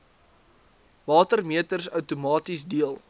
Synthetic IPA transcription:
vɑːtərmiətərsœwtumɑːtisdiəlˠ

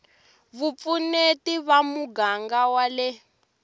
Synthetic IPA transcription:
βup̪funetiβamuɡaŋɡawalɛ

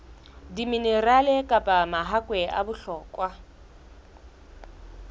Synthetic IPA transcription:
diminɛralɛkʼapʼamaɦakwɛʔa̰bʊɬɔːkʼwa

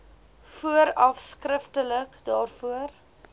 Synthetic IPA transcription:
fuəɾɐfskrəftələkdɑːrfuər

